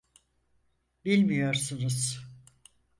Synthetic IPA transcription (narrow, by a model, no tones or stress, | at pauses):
bilʲmijo̞ɾsunuz̥